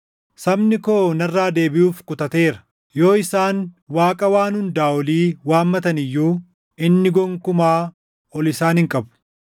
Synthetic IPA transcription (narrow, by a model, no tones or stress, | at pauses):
sɐbnɪko̞ːnɐrːaːd̪e̞ːbɪʔuːfkʊt̪ɐt̪e̞ːɾɐ̥ | jo̞ːɪsaːnwaːkʼɐwaːnʊnd̪aːɔliːwaːmːɐt̪ɐnɪjːuː | ɪnːɪɡɔŋkʊmaː | ɔlɪsaːnhɪŋkʼɐbʊ̥